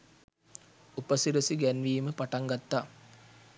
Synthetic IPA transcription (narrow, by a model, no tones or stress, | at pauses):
upəsiɾəsiɡænʋiːməpaʈaŋɡat̪ːaː